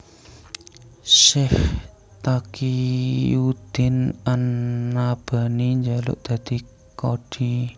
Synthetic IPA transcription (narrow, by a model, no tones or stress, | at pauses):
sɪh | t̪akijud̪̥ɪnanːab̥a̤niɲd͡ʒalʊ̰ʔd̪̥a̤d̪̥i | koɖ̥i